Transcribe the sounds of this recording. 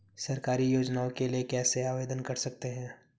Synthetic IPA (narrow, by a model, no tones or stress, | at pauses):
sɐɾkaːɾijoːd͡ʒnaːõkeliekɛːseaːʋeːd̪ənkɐɾsɐk̚t̪eɦɛ̃ː